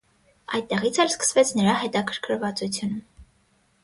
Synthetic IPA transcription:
ɑjd̪̚t̪ɛʁit͡sʰɛlskə̥svɛt͡sʰnəɾɑɦɛt̪ɑkʰəɾkʰəɾvɑt͡sut͡sʰjunum

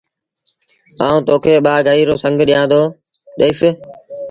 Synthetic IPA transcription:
aːũːt̪oːkʰeːɓaːɡʱaːiːɾoːsə̃ŋɡʱɗɪjãːd̪oː | ɗəɪs

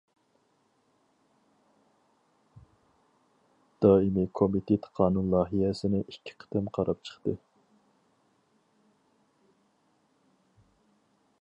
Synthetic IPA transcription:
d̪̥ɑːimikʰomit̪ʰet̪ʰqʰɑːnunlˠɑːɦijɛsɪnɪʔikʲʰːɪ̥qʰə̥t̪ɪmqʰɑɾʔɑp̚t͡ʃʰə̥χt̪ɨ

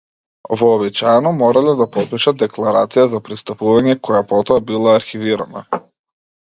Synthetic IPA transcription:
vɔːbit͡ʃajɛnɔmɔɾalɛd̪apɔpiʃat̪̚d̪ɛklˠaɾa̰t̪sijazapɾist̪apuvaɲɛkɔjapɔt̪ɔabilˠaːɾxiviɾa̰na̰

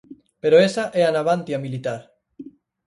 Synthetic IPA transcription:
peɾoesaʔeanaβ̞ant̪jamilit̪aɾ

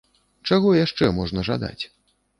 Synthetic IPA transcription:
t͡ʂaɣɔjaʂt͡ʂɛmɔʐnɐʐad̪a̰t͡sʲ

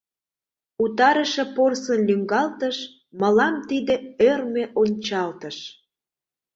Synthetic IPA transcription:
ut̪ɑɾəʃĕporsənlyŋɡɑlt̪əʃ | məlɑmt̪id̪ĕørmeʔonʲt͡ɕɑlt̪ə̆ʃ

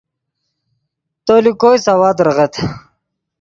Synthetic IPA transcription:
t̪olikojsawad̪ɾəʁet̪

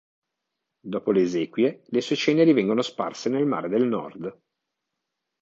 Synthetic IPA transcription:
d̪ɔːpoleːzɛːkwjelesuet͡ʃɛːneɾivɛŋɡonospa̰rsenelma̰ːɾed̪elnɔ̰rd̪

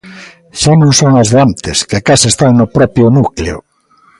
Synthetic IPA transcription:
ʃanõŋsoŋɐzðeant̪ɪskɪakasest̪aŋnʊpɾɔpjʊnukleʊ̰

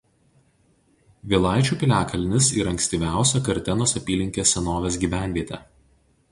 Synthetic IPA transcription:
ʋʲiːlˠɑˑɪt͡ʃʲuːpʲɪlʲæːkɐlʲnʲɪsḭːɾɐŋksʲt̪ʲiːʋʲæˑʊsʲɛkɐɾʲt̪ʲɪnoːsɐpʲiːlʲɪŋʲkʲeːsʲɛnoːʋʲeːsɡʲiːʋʲæˑnʲʋʲiɛt̪ʲɛ̰ː

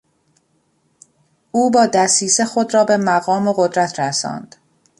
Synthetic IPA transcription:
ʔuːbɒːd̪æsiːsexo̞d̪ɾɒːbe̞mæɣɒːmoɣod̪ɾæt̪ʰɾæsɒ̰ːnd̪̥

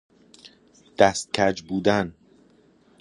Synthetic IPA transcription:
d̪̥æst̪̚cʲʰæd͡ʒbuːd̪æn

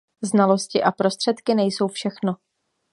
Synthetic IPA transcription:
znalo̞scɪʔapɾo̞st̪r̥ɛt̪kɪnɛjso̞wfʃɛxno̞

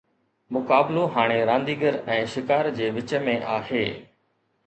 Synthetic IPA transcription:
mʊkaːbloɦaːɽ̃eɾãːnd̪iːɡəɾɛ̃ːʃɪkaːɾd͡ʑeːʋɪt͡ɕəmẽʔaːɦeː

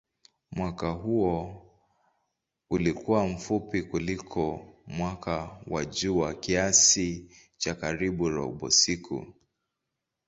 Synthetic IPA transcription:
mwakaɦuɔ | ulikuwam̩fupikulikʰɔmwakawa̰ʄuwakiasi | t͡ʃakaɾiɓuɾɔ̰ɓɔ̰sikʰṵ

